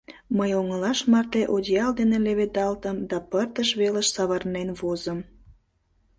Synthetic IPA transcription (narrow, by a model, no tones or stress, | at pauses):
məjoŋəlɑʃmɑrt̪eʔod̪ʲjɑld̪eneleβet̪ɑlt̪əmd̪ɑpərt̪əʃβeləʃsɑβɑrnenβozəm